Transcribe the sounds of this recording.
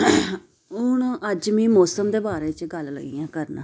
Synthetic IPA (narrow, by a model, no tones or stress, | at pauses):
ɦʊɳəd͡ʒmĩːmɔːsəmd̪eːbaːɾeːt͡ʃɡəllə̰ɡḭjãːkəɾnː